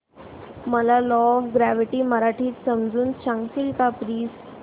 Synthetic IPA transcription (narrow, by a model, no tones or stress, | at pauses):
məlalɔʋɡɾæʋiʈiːməɾaʈʰiːt̪səmd͡zuːnɕãŋsilkapɾiːs